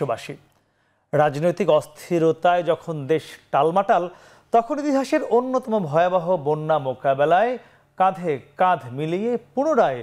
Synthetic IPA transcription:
obaʃi | ɾad͡ʑnojt̪ikɔst̪ʰiɾot̪aed͡ʑɔkʰond̪eʃʈalmaʈal | t̪ɔkʰonit̪iɦaʃeɾonːot̪ɔmobʱɔeabaɦobonːamokabelae | kad̪ʱekad̪ʱmilijepuñoɾae

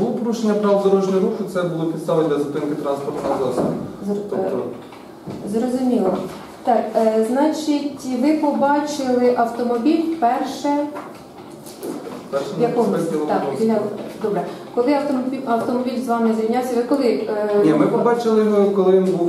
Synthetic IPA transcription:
bulˠɔpɔɾuʃenʲːɐpɾɑʋd̪ɔɾɔʒnʲɔɔɾuxʊt̪sɛbʊlˠɔpʲid̪st̪ɑʋɪd̪ʲlʲɐzɐt̪ɪnkɪt̪ɾɑnspɔrt̪nɔɔzɔsḭ | zrɔzʊmʲilˠɔ | t̪ɑkznɑt͡ʃitʲʋɪpɔbɑt͡ʃɪlˠɪʔɐwt̪ɔmɔbʲilʲpɛrʃɛ | pɛʃɛjɐkɔiɔt̪ɑkɔilʲd̪ɔbɾɛkɔlˠɪɐwt̪ɔmʲiɐwt̪ɔmɔbʲilʲzʋɑmɪzjʲijnʲasʲɐʋɪkɔlˠɪnʲimɪpɔbɑt͡ʃɪlˠɪjmkɔlˠɪʋʲinbuw

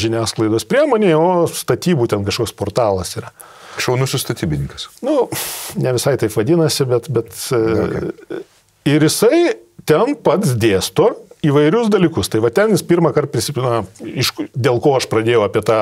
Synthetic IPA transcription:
ʒʲɪnʲæːsklˠɐɪd̪oːspʲɾʲiɛmoːnʲeːoːst̪ɐt̪ʲiːbuːt̪ʲɛnkɐʃkoːkspoːrt̪ɑːlˠɐsiːɾɐ | ʃʲɛʊnʊsʲʊst̪ɐt̪ʲiːbʲɪnʲɪŋkɐsnʊnʲɛʋʲɪsɐɪt̪ɐɪpʋɐd̪ʲɪnɐsʲɪbʲɛt̪bʲɛt̪ː | ɪɾjɪsɐɪ | t̪ʲɛnpɐt̪sd̪ʲeːst̪oːiːʋɐɪɾʲʊsd̪ɐlʲiːkʊst̪ɐɪʋɐt̪ʲɛnjɪspʲirmɐkɐrt̪̚pʲɾʲɪsʲɪpʲɪnɐɪʃd̪ʲeːlˠkoːɐʃpɾɐd̪ʲeːjɛʊɐpʲit̪ɑː

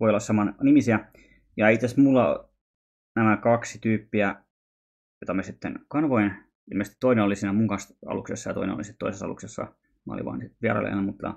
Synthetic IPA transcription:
ʋoiolːɑssɑmɑnnimisiæ | jɑeiit̪ːˑesmulːɑ̰ | næmækɑksi̥t̪yːpːiæ | jot̪ɑmesit̪ːḛnkɑnʋoin | ḭlmest̪it̪oineolisiːnæmuŋkɑnsɑ̰luksesːɑjɑt̪o̰inḛno̰lisit̪t̪o̰isesɑ̰lṵksesːɑ̰ | mɑ̰o̰lḭʋɑ̰ːnsit̪ʋiæ̰rɑ̰lːḛnːæmut̪ːɑ̰

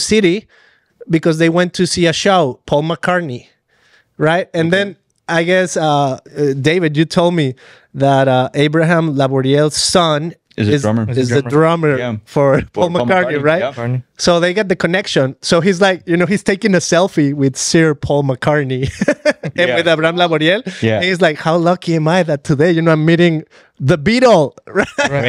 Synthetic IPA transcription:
sɪɾi | bɨkʌzðeɪwɛ̃ntʰɨsiɨʃoʊpʰɔlˠməkʰɑɹni | ɹaɪt̚ɨ̃nðɨ̃n | aɪɡɛsʌdeɪvɨdjɨtʰoʊlˠd̚mi | ðəɾʌʔeɪbɹɨɦæ̃mlabɔɹiɛlˠz̥sʌ̃n | zɪzɪzðɨdɹɑmə˞fə˞pʰɔlˠməkɑɹniɹaɪt̚soʊðeɪɡɑt̪̚ðɨkʰɨnɛkʃɨ̃nsoʊɦizlaɪk̚jɨnoʊhiz̥tʰeɪkɪ̃ŋɨsɛlˠfiwɪð̥sɪɹpʰɔlˠməkʰɑɹni | ɨ̃nwɨðabɹahæ̃mlabɔɾiɛlɨ̃nhizlaɪkhaʊlʌkiɛ̃maɪðɨtʰɨðeɪjɨnoʊãɪ̃miɾɪ̃ŋ | ðəbiɾl̩ˠɹa

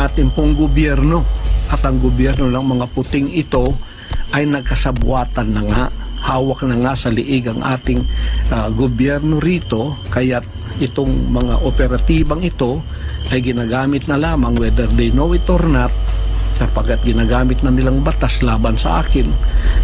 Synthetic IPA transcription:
ʔaːt̪ɪŋpoŋɡʊbjɛɾno̞ʔɐt̪ɐŋɡobjɛɾnolɐŋmɐŋapʊt̪ɪŋɪt̪o̞ | ʔɐjnɐɡ̚kɐsɐbwaːt̪ɐnːɐŋahaːwɐk̚nɐŋasɐlɪʔɪɡɐŋʔa̰ːt̪ɪŋ | ɡobjɛɾno̞ɾiːt̪o̞kɐjat̪̚ | ʔɪt̪oŋmɐŋa̰ʔopɛɾɐt̪iːbɐŋɪt̪o̞ | ʔɐjɡɪnaːɡaːmɪt̪̚nɐlaːmɐŋwɛd̪ɛɾd̪ɛjnowɪt̪oɾnat̪̚kɐpɐɡat̪̚ɡɪnaːɡaːmɪt̪̚nɐnɪlaŋbɐt̪aslaːbɐnsɐ̰ʔaːkɪn

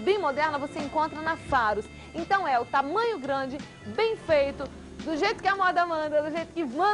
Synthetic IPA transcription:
bẽj̃mod̪ɛɾnɐvoseẽŋkõnt̪ɾɐnɐsaɾʊs | ẽnt̪ɐ̃w̃ɛʊt̪amɐ̃ɲʊɡɾɐ̃d͡ʒɪ | bẽj̃fejt̪ʊ | d̪ʊʒejt̪ʊ̥kɪamɔɾd̪ɐmɐ̃nd̪ɐd̪ʊʒejt̪ʊ̥kɪmɐ̃

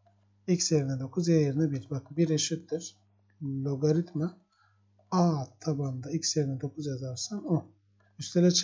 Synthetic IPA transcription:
icseɾinɛd̪o̞kʰuzjajeɾinɛbiɾʲbakbiɾeʃit̪̚d̪iɾ̥ | lʲoɡaɾit̪ma | at̪ʰaband̪aicseɾinɛd̪o̞kʰuzjazaɾsano | yst̪ʰelɛt͡ʃʰ

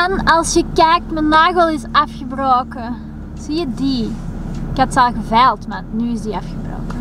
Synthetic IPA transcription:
anɑlˠsjəkɛːk̚tmənaːɣəlˠɪsafxəbroːkə | z̥iːjədi | katsalɣəvɛlˠtmatnyːɪsdiafxəbro̰ːkə

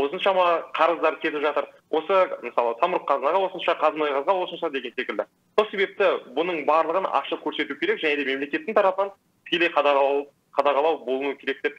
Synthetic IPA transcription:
wo̞sənʃɑmɑqʰɑɾəzd̪ɑɾkʲʰe̞t̪ɪpʒɑt̪əɾ | wʔo̞səməsɑlˠəsʰɑmɾuqqʰːɑzənɑʁɑwo̞sənʃɑqʰɑzənojʁɑzʁɑwo̞sənʃɑd̪e̞ɡʲense̞kʲɪld̪ɪ | so̞lˠse̞βe̞p̚t̪ɪbʊnəɴbɑɾlˠəʁənɑ̰qʃəkʲʰɵɾse̞t̪ukʲeɾekʒæne̞d̪e̞me̞mle̞kʲe̞t̪ːɪŋt̪ʰɑɾɑpənɑn | t̪ʰɪ̥kʲe̞le̞jqʰɑd̪ɑ | qʰɑd̪ɑʁɑlˠɑwbo̞lˠənuwəkʲʰe̞ɾe̞k̚t̪e̞p̚

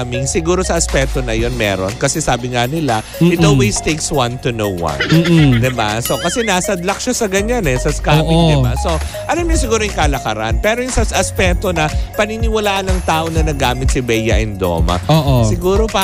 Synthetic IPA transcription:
mɪŋsɪɡuːɾo̞sɐʔɐspɛk̚t̪o̞nɐjo̞nmɛ̰ɾo̞̰nkɐsɛsaːbɪŋanɪla | ɪt̪olwejst̪ejkswɐnt̪ʊnowwɐ̰̃nːd̪ɪba̰so̞kɐsɛnaːsɐd̪lɐk̚ʃosɐɡɐɲanɛsɐskaːmiŋd̪ɪba̰so̞ | ʔɐlamɲʊŋsɪɡuːɾoɪŋkaːlɐkɐɾa̰npɛːɾojʊŋsɐsɐʔɐspɛk̚t̪o̞nɐpɐninɪwɐlaːʔɐnɐŋt̪aːʔo̞nɐnɐɡaːmɪt̪̚sɐbɛjɐʔɛnd̪o̰mɐ̰oːʔosɪɡuːɾo̞pa

